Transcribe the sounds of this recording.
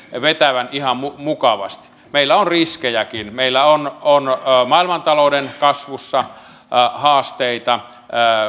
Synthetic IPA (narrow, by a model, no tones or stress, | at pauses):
ʋet̪æʋænihɑmmumukɑʋɑ̰st̪i̥ | meilːæonriskejækinmeilːæononmɑilmɑnt̪ɑloˑudenkɑsʋusːɑ | hɑːst̪eit̪ɑ